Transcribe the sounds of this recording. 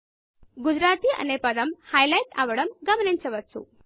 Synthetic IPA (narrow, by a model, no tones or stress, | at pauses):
ɡud͡ʒɾaːt̪iːʔɐ̰nepɐd̪ɐmhajlɐjʈa̰ʋɐɽɐmɡɐmɐniɲt͡ʃɐʋɐtːt͡sṵ